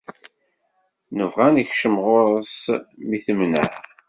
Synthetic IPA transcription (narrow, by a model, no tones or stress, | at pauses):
nəvʁæniçʃəmʁʊɾˤəsmiθəmnə̰ħ